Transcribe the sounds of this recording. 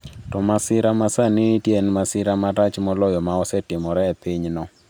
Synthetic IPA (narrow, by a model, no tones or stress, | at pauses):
tɔmasɪɾamasanitjenmasɪɾamaɾat͡ʃmɔlɔjɔmaɔsɛtɪmɔɾɛpiɲnɔ